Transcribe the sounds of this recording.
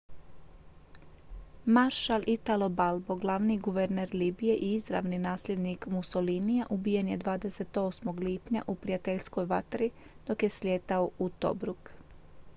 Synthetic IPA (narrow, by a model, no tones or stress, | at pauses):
maɾʃalʔit̪alo̞balˠbo̞ɡlˠaʋniɡuʋe̞ɾneɾliːbije̞ʔiizɾa̰ʋninaːslʎʲe̞d̪nikmuso̞linijaʔubije̞nje̞d̪ʋaːd̪ese̞t̪o̞smoɡliːpɲa̰ʔupɾijat̪eʎsko̞jʋat̪ɾi | d̪̥o̞kje̞slʲje̞ːt̪aout̪o̞̰bɾuk